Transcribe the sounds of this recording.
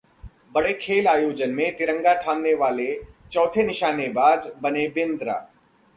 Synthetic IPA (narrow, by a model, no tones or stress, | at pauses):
bɐɽekʰeːlaːjoːd͡ʒənmẽt̪ɪɾə̃ŋɡat̪ʰaːmneʋaːlet͡ʃɔːt̪ʰenɪʃaːnebaːd͡ʒbɐnebɪ̃nd̪ɾa̰ː